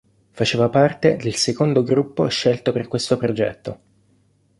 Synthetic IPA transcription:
fat͡ʃeːvapart̪ed̪elsekond̪oɡɾupːo̰ʃːelt̪operkwest̪opɾod͡ʒɛ̰t̪ːo

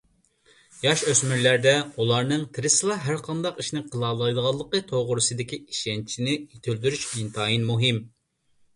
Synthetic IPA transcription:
jɑʃøsmyɾlæɾd̪ɛulˠɑɾnɨŋt̪ʰɨɾɪsɨlˠɑɦæɾqʰɑnd̪ɑqiʃnɪqʰəlˠɑlˠɑjd̪əʁɑlˠːəqət̪ʰoʁʊɾɨsɨd̪ɪkʲiiʃɛnt͡ʃʰinɪit̪ʰyld̪yɾyʃint̪ʰɑːjinmuɦɪm

